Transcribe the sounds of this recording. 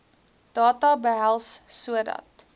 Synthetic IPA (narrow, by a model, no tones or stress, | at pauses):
d̥ɑːtɑbəɦælˠsːuədɐ̰t